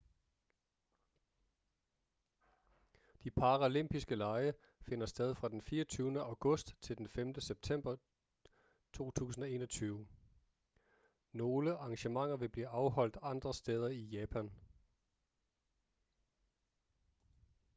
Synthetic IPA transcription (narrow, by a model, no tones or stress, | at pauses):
d̥ipʰɑ̈ʁæle̝m̰b̥isɡ̥əlɑ̈ɪə | fe̝nɐsd̥eð̞ˠfʁɑ̈d̥enfiːɐt͡sʰyːʊnəæʊɡ̥ɔ̽sd̥t͡sʰe̝ld̥enfemd̥əseb̥̚t͡sʰem̰b̥ɐ | t͡sʰo̝̰ːt͡sʰṵːsn̩ɒ̽e̝ːnɒt͡sʰyːʊ | no̝ːləʔɑ̈ŋɕəmɑ̈ŋ̰ɐʋe̝b̥liːʔɑ̈ʊɦɒ̽l̰d̥ɑ̈nd̥ʁɐsd̥eːð̞ˠɐijɛːpʰæn